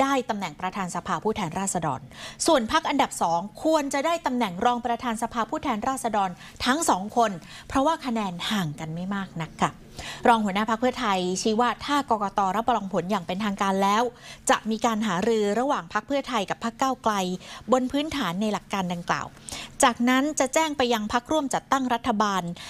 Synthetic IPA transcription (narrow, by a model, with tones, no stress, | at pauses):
daː˥˩jt̪a˧mnɛ˨˩ŋpɾa˧t̪ʰaː˧nsa˧pʰaː˧pʰuː˥˩t̪ʰɛː˧nɾaː˥˩t̚sa˧dɔ̰ː˧nsu˨˩ənpʰa˦˥k̚ʔa˧nda˨˩p̚sɔː˩˦ŋkʰu˧ənt͡ɕa˨˩daː˥˩jt̪a˧mnɛ˨˩ŋɾɔː˧ŋpɾa˧t̪ʰaː˧nsa˧pʰaː˧pʰuː˥˩t̪ʰɛː˧nɾaː˥˩t̪̚sa˧dɔː˧n | t̪ʰa˦˥ŋsɔː˩˦ŋkʰo˧n | pʰɾɔ˦˥waː˥˩kʰa˧nɛː˧nhaː˨˩ŋka˧nma˥˩jmaː˥˩k̚na˦˥kʰːa˥˩ | ɾɔː˧ŋhu˩˦ənaː˥˩pʰa˦˥kpʰɯ˥˩ɐt̪ʰa˧jt͡ɕʰiː˦˥waː˥˩t̪ʰaː˥˩kɔː˧kɔː˧t̪ɔː˧ɾa˦˥pːa˧lɔː˧ŋpʰo˩˦njaː˨˩ŋpe˧nt̪ʰaː˧ŋkaː˧nlɛː˦˥wt͡ɕa˨˩ʔmiː˧kaː˧nɦaː˩˦ɾɯː˧ɾa˧waː˨˩ŋpʰa˦˥k̚pʰɯ˥˩ɐt̪ʰa˧jka˨˩pʰːa˦˥˩kːaː˥˩wkla˧jbo˧npʰɯː˦˥nt̪ʰaː˩˦nːa˧jla˨˩kːaː˧nda˧ŋkla̰ː˨˩wt͡ɕaː˨˩k̚na˦˥nt͡ɕa˨˩ʔt͡ɕɛː˥˩ŋpa˧jːa˧ŋpʰa˦˥k̚ɾu˥˩əmt͡ɕa˨˩t̪ːa˥˩ŋɾa˦˥t̪ʰːa˧baː˧n